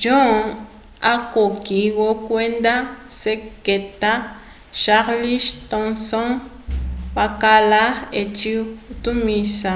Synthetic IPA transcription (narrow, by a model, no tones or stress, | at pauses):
d͡ʒõ | akokiɣokwend̪aseket̪a | ʃaɾliʃt̪õŋsõŋ | bakalaet͡ʃiut̪umisa